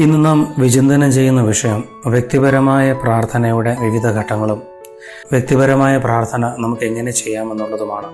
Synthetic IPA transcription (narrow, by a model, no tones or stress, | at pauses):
inːɨnaːmʋid͡ʑind̪ɐnɐmt͡ɕe̞jːunːɐʋiʂɐjɐm | ʋjek̚t̪ibɐɾɐmaːjɐpraːrt̪ʰɐnɐjuɽe̞ʋiʋid̪ʱɐɡʱɐʈːɐŋːɐɭum | ʋjek̚t̪ibɐɾɐmaːjɐpraːrt̪ʰɐnɐnɐmukːe̞ŋːɐne̞t͡ɕe̞jːaːme̞nːuɭːɐðumaːɳɨ